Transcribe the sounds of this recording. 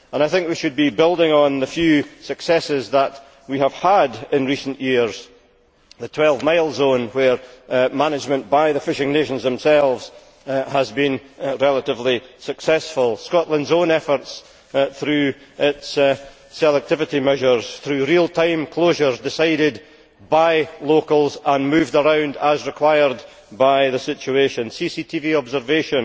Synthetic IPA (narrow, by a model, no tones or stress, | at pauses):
ə̃naɪθɪ̃ŋkwiʃɨd̚bibɪlˠdɪ̃ŋə̃nðəfjʉːsəksɛsɪzðəʔ | wiəv̥ədɪ̃nɹisə̃n̩ʔjiɹz̥ | ðətʰw̥ɛlˠvmaɪlˠzõnwə˞manɪd͡ʒmə̃nb̥aɪðəfɪʃɪ̃ŋneʃə̃nzðə̃msɛlˠvz̥ | həzbĩnɹɛlˠəʔɪvlˠisəksɛsfəlˠskɔʔlˠə̃ndzõnɛfə˞ts | θɹʉːɪts | sɛlˠɛk̚tʰɪvɪʔimɛʒə˞z̥θɹʉɹilˠtʰãɪ̃mkʰl̥oʒə˞zdɪsaɪɾɪd | baɪlˠokəlˠzə̃nmʉvdəɹãʊ̃ndəzɹɪkʰw̥aɪə˞d | baɪðəsɪt͡ʃʉeʃə̃nsisitʰiviɔbzə˞veʃə̃n